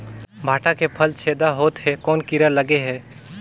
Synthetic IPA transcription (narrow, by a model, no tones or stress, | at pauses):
bʱaːʈakepʰəlt͡ʃʰeːd̪aɦoːt̪ɦɛkɔːnkɪɾaləɡeɦɛː